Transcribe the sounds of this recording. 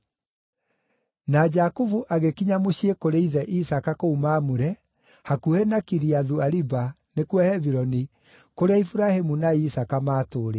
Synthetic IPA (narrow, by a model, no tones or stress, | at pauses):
nad͡ʒakuvuʔaɣekiɲamoɕiekoɾeiðɛʔisakakoumaːmuɾɛ | hakuhɛnakiɾiaðuaɾiba | nekwɛhɛviɾɔni | koɾeaifuɾahemunaisakamaːtoːɾe